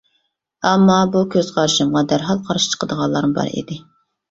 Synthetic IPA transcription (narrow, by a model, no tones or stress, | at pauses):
ɑmːɑbukʲʰøz̥qʰɑɾʃɨmʁɑd̪æɾɦɑlˠqʰɑɾʃi̥t͡ʃʰə̥qʰəd̪əʁɑlˠɑɾmɨbɑ̰ɾḭd̪ɪ